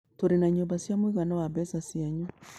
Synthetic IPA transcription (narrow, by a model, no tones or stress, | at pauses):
toɾenaɲombasjamoiɣanɔwaβɛsasiaɲɔ